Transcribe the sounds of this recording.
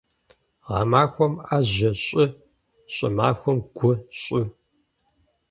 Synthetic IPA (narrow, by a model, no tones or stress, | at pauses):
ʁɑmaːxʷɔmaʑɐɕʼɪ | ɕʼɐ̰ma̰ːxʷɔmɡʷʊɕʼʊ